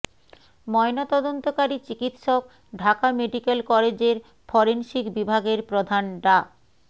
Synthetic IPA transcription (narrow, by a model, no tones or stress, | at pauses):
mɔenat̪ɔd̪ont̪okaɾit͡ɕikit̪ʃok | ɖʱakameɖikelkɔled͡ʑeɾ | fɔɾenʃikbibʱaɡeɾpɾod̪ʱanɖa